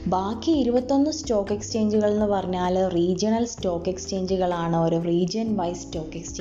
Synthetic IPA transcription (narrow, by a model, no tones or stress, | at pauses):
baːkːiiɾubɐt̪ːo̞nːɨsto̞ːkːe̞ksɨ̥t͡ɕe̞ːɲd͡ʑuɣɐɭe̞nːɨpɐrɐɲːaːlriːd͡ʑɐnɐlsto̞ːkːe̞kst͡ɕe̞ːɲd͡ʑuɣɐɭaːɳɨo̞ɾuriːd͡ʑɐnbɐjsto̞ːkːekst͡ɕeː